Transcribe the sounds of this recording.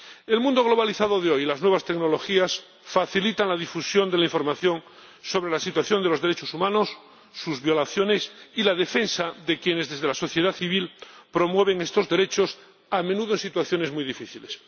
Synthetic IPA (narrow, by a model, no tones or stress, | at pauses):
elmũnd̪o̞ɣ̞lo̞βaliθaðoðeo̞jlaznwe̞β̞ast̪e̞ɡno̞lo̞xias | faθilit̪aŋlaðifusjo̞nd̪e̞laiɱfo̞ɾmaθjoŋ | so̞βɾelasit̪waθjo̞nd̪e̞lo̞zðeɾet͡ʃo̞sumãnosː | uzβjo̞laθjo̞nesilaðe̞fe̞nsaðe̞kjenezðe̞zð̞elaso̞θjeðaθiβilpɾo̞mwe̞β̞e̞ŋe̞st̪o̞zðe̞ɾe̞t͡ʃo̞s | amenuðoensit̪waθjo̞ne̞zmujðifiθiles